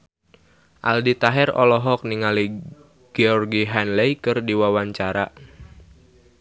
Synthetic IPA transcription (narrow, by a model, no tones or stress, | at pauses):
ʔa̰ldit̪aɦɛrɔ̰lɔɦɔk̚niŋali | ɡ̥eɔrɡiɦɛnlɛjkɨrdiwawaɲt͡ʃaɾa